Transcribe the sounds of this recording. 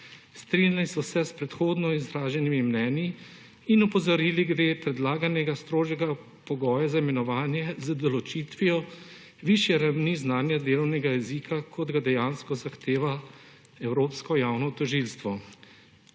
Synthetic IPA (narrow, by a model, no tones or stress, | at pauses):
st̪ɾinjalisɔsɛspɾɛt̪xoːd̪nɔizɾaːʒɛnimimnɛːnjiː | nɔpɔzɔɾiːliɡɾepɾɛd̪laːɡanɛɡast̪ɾoːʒɛɡa | pɔɡɔːjazaimɛnɔʋaːnjɛzad̪ɔlɔt͡ʃit̪ʋijɔ | ʋiʃjɛɾawniznaːnjad̪eːlɔwnɛɡajɛzikʰakʰɔd̪ɡad̪ɛjaːnskɔzaxt̪eːʋa | ɛwɾoːpskɔjaːwnɔt̪ɔʒilst̪ʋɔ